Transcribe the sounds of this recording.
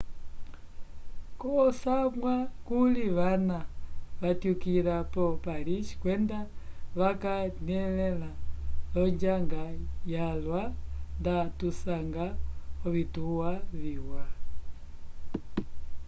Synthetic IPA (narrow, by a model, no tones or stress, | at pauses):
kɔsamwakuliβanaβatjukiɾapɔpalit͡ʃi̥kwɛndaβakanɛlɛlalɔɲd͡ʒaŋɡajalwandatusaŋɡaɔβituwaβiwa